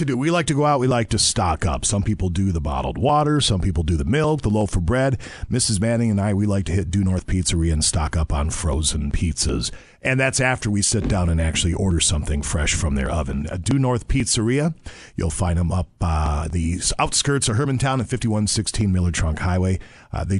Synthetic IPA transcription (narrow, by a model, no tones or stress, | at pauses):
tɨdɨwilaɪk̚tʰɨɡoʊaʊt̚wilaɪk̚tʰɨstɑkʌ̰psʌ̃mpipl̩ˠdɨðəbɑ̰ɾl̩ˠd̚wɔɾə˞sʌ̃mpipl̩ˠdɨðəmɪlˠk̚ðəloʊfə˞bɹɛd̚mɪsɨzmæɾɪ̃ŋɨ̃naɪwilaɪk̚tʰɨhɪt̚d̥ɨnɔɹθpʰitsə˞iɨɨ̃nstɑ̰kʌpn̩fɹoʊzɨ̃n̩pʰitsɪ̰z | ʔɨ̃nðætsæftə˞wisɪt̚d̥ãʊ̃nɨ̃næk̚t͡ʃʉl̩ˠiʔɔɹɾə˞sʌ̃mθɪ̃ŋfɹɛʃfɹʌ̃mðə̰˞ʔʌ̰vɨ̰̃ndɨnɔɹθpʰitsə˞iɨ | jṵlˠfãɪ̃ndə̃mʌp̚ðiaʊtskɜ˞tsə˞ɦɜ˞mɨ̃n̩tʰãʊ̃nɨ̃nfɪftiwʌ̃nsɪkstʰĩnmɪlˠə˞tʰɹ̥ʌ̃ŋkhaɪweɪ | ðeɪ